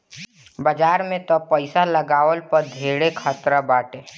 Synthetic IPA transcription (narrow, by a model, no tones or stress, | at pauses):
bəd͡ʒaːɾmẽt̪ɔpəɪsaləɡaːʋəlpəɾd̪ʱeːɽekʰət̪ɾabaːʈeː